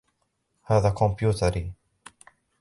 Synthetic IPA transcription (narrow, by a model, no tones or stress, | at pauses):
həðəkʰɔ̃mpʰjutʰəɾi